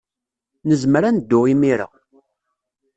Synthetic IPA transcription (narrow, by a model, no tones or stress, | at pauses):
nəzmɾænəd̪ːʊʁimiɾə̰